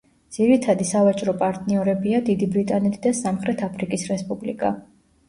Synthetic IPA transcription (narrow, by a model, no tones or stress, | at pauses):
d̪z̥iɾit̪ʰad̪isavat͡ʃʼɾɔpʼaɾt̪ʼniɔɾɛbiad̪id̪ibɾit̪ʼanɛt̪ʰid̪asamχɾɛt̪ʰapʰɾikʼisɾɛspʼublḭkʼa̰